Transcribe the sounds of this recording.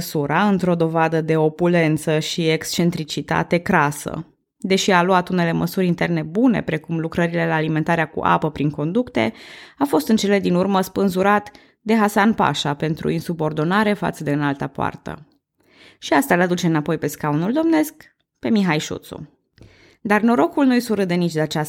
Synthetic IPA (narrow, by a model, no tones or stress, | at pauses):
suɾaɨnt̪ɾo̞d̪o̞vad̪əd̪e̞o̞pule̞nt̪səʃiekst͡ʃe̞nt̪ɾit͡ʃit̪a̰t̪e̞kɾasə̰ | d̪e̞ʃialuat̪une̞le̞məsuɾʲint̪e̞rne̞bune̞̰pɾe̞kumlukɾəɾile̞laːlime̞nt̪aɾeakṵʔa̰pəpɾiŋko̞nd̪ukt̪e̞̰afo̞st̪ɨnt͡ʃe̞le̞d̪inurməspɨnzuɾat̪ | d̪e̞ɦasanpa̰ʃape̞nt̪ɾṵinsubo̞rd̪o̞naɾe̞fa̰t̪səd̪e̞ɨnalt̪apoa̰rt̪ə̰ | ʃiast̪alad̪ut͡ʃe̞ɨnapo̞jpe̞skaunuld̪o̞mne̞sk | pe̞miɦajʃṵt̪sṵ | d̪arno̞ɾo̞kulnujsuɾɨt̪d̪e̞nit͡ʃʲd̪eat͡ʃa